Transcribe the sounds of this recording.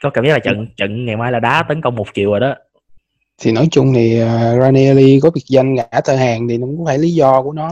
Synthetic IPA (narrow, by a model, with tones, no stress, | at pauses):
kɔ˨˦ka˧˩mi˦˥laː˨˩ə̰˧˨nt͡ɕə̰˧˨nŋa˨˩jmaː˧˦jlaː˨˩ɗaː˨˦t̪ə˨˦nkə˧wŋ͡mmo˨˩t̚ki˨˩əwəː˨˩ɗɔ˨˦ | t̪ʰi˨˩nɔ˨˦jt͡ɕʊ˧ŋ͡mt̪ʰi˨˩ʔəː˨˩zaː˧ni˧li˧kɔ˨˦vi˨˩ək̚za˧jŋɣa˧˩t̪ʰəː˧haː˨˩ŋt̪ʰi˨˩nɔ˨˦kʊ˧˦faː˧˩jli˨˦zɔ˧ku˧˩ənɔ˨˦